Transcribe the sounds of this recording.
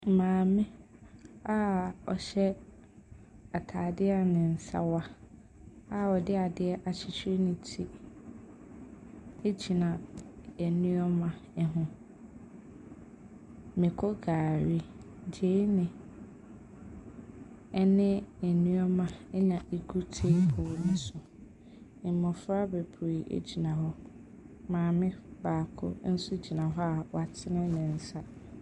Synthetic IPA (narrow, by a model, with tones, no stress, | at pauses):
mãː˨mɪ̃˦ | a˦ɔ̰˨ɕɛ˦ | a˨tʰaː˨dɪ˦a˨nɪ̃˨n̩˨sa̰˦wa˦ | a˦ɔ˨dɪ˦a˨dɪ˦ɛ˦ʔa˨t͡ɕʰɪ˨t͡ɕʰᶣɾi˦nɪ̃˨tʰi˦ | e˦d͡ʑʰi˨nã˨ɛ˨nũ˦ɔ˦mã˨ɛ˦ɦʊ̃˦ | mɪ̃˨kʰɔ˦ɡaː˨ɾi˦ | d͡ʑe˦nɪ̃˨ | ɛ˦nɪ̃˦ɛ˨nũ˦ɔ˦mã˨ɛ˦ɲã˨e˨ɡu˦tʰe˦pʰoː˨nʊ̃˦sʊ̃˨ | m˨mɔ̃˨fɾa˦be˨pʰe˨ʔḛ˦d͡ʑi˨nã˨ɦɔ˦ | mãː˨mɪ̃˦baː˨kʰʊ̰˦n̩˦sʊ˦d͡ʑi˨nã˨ɦɔ˦a˨wɔ˨a˨tʰɪ˦nɪ̃˦nɪ̃˨n̩˨sa˦